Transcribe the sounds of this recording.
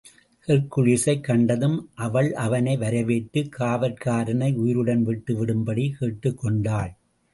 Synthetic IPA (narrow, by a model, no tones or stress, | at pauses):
hɛɾkːɯɻɪsɐɪkːɐɳɖɐðɯmʔɐʋɐɭɐʋɐnɐɪʋɐɾɐʋeːʈːɯkʰːaːʋɐɾkaːɾɐnɐɪʊjɪɾɯɽɐnʋɪʈːɯʋɪɽɯmbɐɽikeːʈːɯkːɔɳɖaːɭ